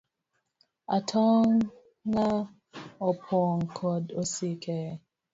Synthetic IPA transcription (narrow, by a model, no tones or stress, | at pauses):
atʰɔŋː | a | ɔpʰɔŋkʰɔdosikʰɛ